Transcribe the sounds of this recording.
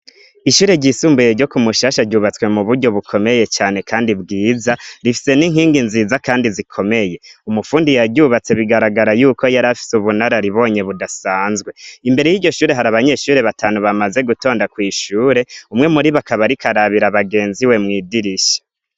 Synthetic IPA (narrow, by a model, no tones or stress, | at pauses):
iʃuːɾe̞ɟisuːmbujeɾɟo̞kumuʃaːʃaɾɟuːβat͡swe̞muβuɾɟo̞βukʰo̞me̞je̞t͡ʃaːne̞kʰaːndibɡiːzaɾifi̥se̞niŋɦiːŋɡinziːzakaːndizikʰo̞me̞je̞umufuːndijaɾɟuːβat͡se̞βiɡaɾaɡaɾajuːko̞jaɾafi̥suβunaɾaɾiβo̞ːɲe̞βudasaːnzɡwe̞imbe̞ɾe̞jiːɾɟo̞ʃuːɾe̞ɦaɾaβaɲe̞ːʃuːɾe̞βatʰaːnuβamaze̞ɡuto̞ːndakwiːʃuːɾe̞umŋe̞muɾiβakaβaɾikʰaɾaβiɾaβaɡe̞ːnziwe̞mŋiːdiɾiʃe̥